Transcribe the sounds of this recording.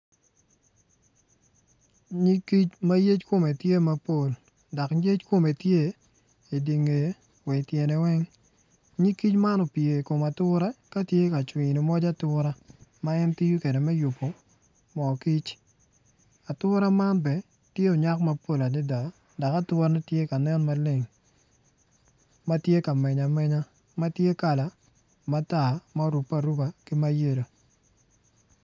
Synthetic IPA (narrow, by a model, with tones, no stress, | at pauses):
ɲi˦ki˦t͡ʃma˦je˦t͡ʃko˨me˨tje˦ma˦po˦˨l | da˨kje˦t͡ʃko˨me˨tje˦ | i˨di˨ŋe˨˦ | wɛ˨tjɛ˨nɛ˨wɛ˦ŋ | ɲi˦ki˦t͡ʃma˦nɔ˨pie˨ko˨ma˨tʊ˦ɾa˦ka˦tje˦ka˨t͡ʃwi˨ni˨mɔ˦d͡ʒa˦tʊ˦ɾa˦ma˦ɛ˦nti˦ju˦ke˨de˨mɛ˦ju˨pːo˨ | mɔ˨ki˦t͡ʃ | a˨tʊ˦ɾa˦ma˦nbɛ˨ | tje˦ɔ˨ɲa˦kma˦po˦˨la˨dɪ˦da˨ | da˨ka˦tʊ˦ɾa˦nɛ˦tje˦ka˨nɛ˦nma˦lɪ˦ŋ | ma˦tje˦ka˨mɛ˨ɲa˨mɛ˦ɲa˦ | ma˦tje˦ka˨la˨ | ma˦ta˨ma˦ɾu˨pːa˨ɾu˦ba˨ki˦ma˦je˦˨ɾo˨